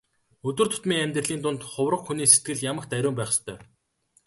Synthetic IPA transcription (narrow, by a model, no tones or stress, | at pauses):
ɵt̪wɘ̆rt̪ʰʊ̥t̪miːŋæmʲt̪rə̆ɮiːnt̪ʊnt̪χʊwrə̆qxuniːset̪̚ɡɘ̆ɮjamə̆kt̪æɾʲʊːmpæːχəst̪ʰœː